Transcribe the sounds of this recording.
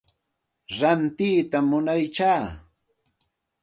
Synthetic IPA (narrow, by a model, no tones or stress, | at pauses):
ɾant̪iːt̪amːʊnajt͡ʃaː